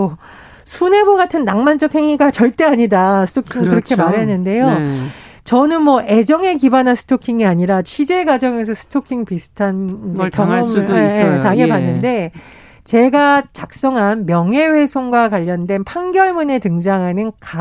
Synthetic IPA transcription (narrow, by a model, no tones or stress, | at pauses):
sʰune̞boɡatʰɯnːaŋmand͡ʑʌk̚he̞ŋiɡat͡ɕʌɭt͈e̞aɲidasʰɯ̥tʰokʰiŋɯnkɯɾʌkʰe̞maɾɦe̞nːɯnde̞jo | t͡ɕʌnɯnmwʌʔe̞d͡ʑʌŋe̞kibanɦansʰɯ̥tʰokʰiŋiaɲiɾat͡ɕʰɥid͡ʑe̞ɡad͡ʑʌŋe̞s̬ʰʌsʰɯ̥tʰokʰiŋpisʰɯ̥tʰanikjʌŋɡomejetaɡe̞banːɯnde̞ | t͡ɕe̞ɡat͡ɕak̚s͈ʌŋɦanmjʌŋɦe̞we̞sʰoŋɡwakwaʎːʌndwe̞npʰaŋɡjʌɭmune̞tɯŋd͡ʑaŋɦanɯnka